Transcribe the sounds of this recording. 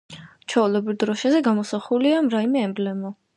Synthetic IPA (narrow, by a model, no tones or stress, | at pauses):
t͡ʃʰɔulˠɔbɾid̪ɾɔʃazɛɡamɔsaχuliamɾaimɛɛmblɛmɔ